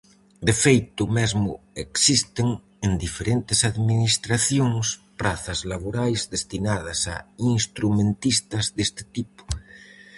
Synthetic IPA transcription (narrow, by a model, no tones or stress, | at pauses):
d̪efejt̪ʊmezmʊeksist̪eŋ | end̪ifeɾent̪esaðminist̪ɾaθjoŋspɾaθazlaβoɾajzðest̪inaðasa̰inst̪ɾumẽnt̪ist̪azðest̪e̥t̪ipʊ̥